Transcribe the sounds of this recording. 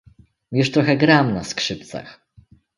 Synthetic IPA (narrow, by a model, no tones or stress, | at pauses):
mjuʂt̪ɾɔxɛɡɾamnaskʂɘp̚t̪sa̰x